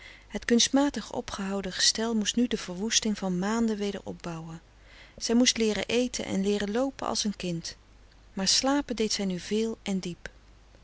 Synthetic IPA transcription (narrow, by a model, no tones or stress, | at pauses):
ɦətkɵnstmaːtəχɔ̰pχəɦɑwdəχə̥stɛlˠmustnydəv̥əɹʋustɪŋvɑnmaːndəʋejdə̰ɹʔɔ̰b̚bɑwə | z̥ɛjmustlɪːɾə̰ʔejtʰə̰nʔɛ̰nlɪːrəlowpənʔɑ̰lˠsənkɪnt | maːɹslaːpədejtsɛjnyvɪːlˠʔɛndip